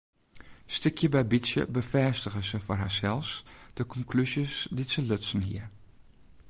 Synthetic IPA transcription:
stɪkʰjəbɛjbisjə̰bəfɛːstəɣəzəfɔrɦaːɹsɛlˠsd̥əkɔŋklyzjəsditsəlɵtsən̩hḭəɹ

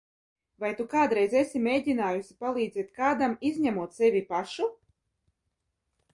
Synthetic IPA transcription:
vajt̪ukaːd̪ɾɛjzesʲimʲejdʲinaːjusʲi̥palˠiːd̪zɛt̪̚kaːd̪amizʲɲʲæmuɔt̪sevʲipaʃu

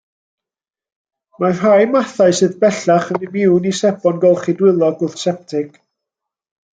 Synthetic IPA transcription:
mar̥ajmaθaɨsɨðbɛɬaχənəmɪwnisɛb̥ɔnɡɔlˠχidwɪlˠɔɡʊθsɛp̚tʰɪɡ̥

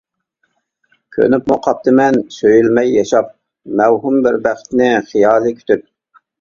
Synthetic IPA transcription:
kʲʰø̰nypmʊqʰɑp̚t̪ʰɨmɛnsøjylmɛjːɑʃɑp̚ | mɛwɦumbɪɾbæχt̪nɪχijɑːlˠɨkʲʰy̥t̪yp̚

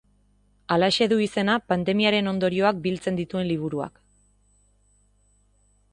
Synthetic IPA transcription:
alaeʃe̞ðuise̞napand̪e̞miaɾe̞no̞nd̪o̞ɾio̞ak̚bilt͡se̞nd̪it̪ue̞nliβ̞uɾua̰k

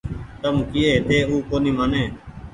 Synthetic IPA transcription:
t̪əmkɪeːt̪eːuːkoːniːmaːneː

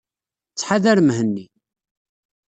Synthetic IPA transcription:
t͡sːħaðæɾmhənːi

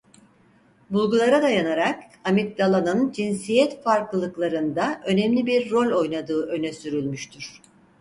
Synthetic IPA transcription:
bulˠɡulˠaɾad̪ajanaɾak | amik̚d̪alˠanɯnd͡ʒinsijɛt̪faɾklˠɯlˠɯklˠaɾɯnd̪aʔø̞nɛmlʲibiɾːo̞lʲo̞jnad̪ɯːʔø̞nɛsyɾylʲmyʃt̪ʰyɾ̥

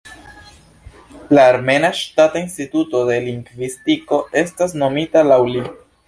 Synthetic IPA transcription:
laːɾme̞naʃtatoinstituto̞de̞liŋɡvistiko̞e̞stasno̞mitalawli

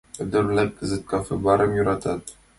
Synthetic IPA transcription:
ɵd̪ɘ̆ɾlæp̚kɘ̆zɘt̪̚kʰɑfebɑɾɤmjŏɾɑt̪ad̪

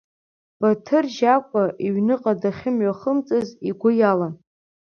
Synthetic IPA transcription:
b̥atʰɨrʒakʷʼaʔiɥnɨqʼadaχʲɪmɥʷaχəmt͡sʼɨziɡʷʊjalan

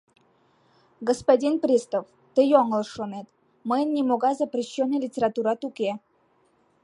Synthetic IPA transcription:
ɡəspadʲinpɾʲist̪əf | t̪ɨjoŋəlˠʂonet̪ | mɨjnʲimoɡazəpɾʲɪɕːonːəjlʲitʲeɾat̪uɾat̪ukʲe

